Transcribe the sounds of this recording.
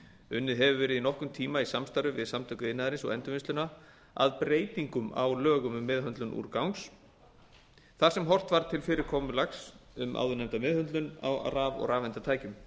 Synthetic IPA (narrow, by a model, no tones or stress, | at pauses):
ʏnːɪðɦɛvʏvɛːɾɪðinɔhkʏmt̪ʰiːmaisamst̪aɾʏvɪðsamt̪ʰœkʏɪnːaðaɾɪnsɔɣɛnt̪ʏvɪnst̪ʏna | a̰ðpɾeːjt̪iŋkʏma̰wlœːɣʏmʏmːɪðɦʏnt̪lʏnʔṵːɾkawŋs | θaɾ̥sɛmɦɔr̥t̪vaɾt̪ʰɪlfɪːɾɪɾkʰɔːmʏlaxsʏmʔa̰ːwðʏnɛmt̪amɪðhœnt̪lʏna̰wa̰ɾaːvɔ̰ɣɾaːvɛnt̪at̪ʰaːjcʏm